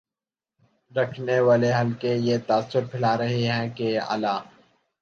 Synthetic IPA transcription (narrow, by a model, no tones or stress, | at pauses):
ɾɐkʰneʋaːleɦɐlkejet̪aːəsːʊɾpʰɪlaːɾɐɦeɦɛ̃kea̰ːlaː